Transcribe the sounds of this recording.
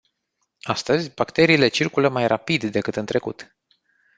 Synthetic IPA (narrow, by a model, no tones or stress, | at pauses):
ast̪əzʲbakt̪e̞ɾiːle̞t͡ʃirkuləmajrʔapid̪ːe̞kɨt̪ɨnt̪ɾe̞kut̪